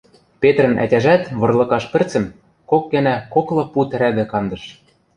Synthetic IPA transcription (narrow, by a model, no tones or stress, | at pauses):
pet̪rɘ̆nʔæ̰tʲæʒæt̪βɤ̆rlˠɤ̆kɑʃpɘ̆rt͡sɘ̆m | kok̚ɡɘ̆nækoklˠɤ̆put̪ɘ̆ɾæd̪ɘ̆kɑnd̪ɤ̆ʃ